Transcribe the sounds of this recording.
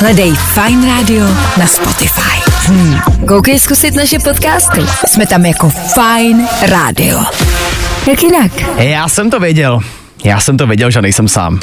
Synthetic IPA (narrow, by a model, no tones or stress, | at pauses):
ɦlɛdɛjfajnɾaːdɪonaspo̞̰t̪ɪfa̰jm̩kowkɛjskusɪt̪naʃɛpot̪kaːst̪ɪ̰smɛt̪amjako̞fajnɾa̰ːdɪ̰o̰ | t̪akjɪnakjaːsɛmt̪ovjɛɟɛl | jaːsɛmt̪ovjɛɟɛlʒɛnɛjsɛmsa̰ːm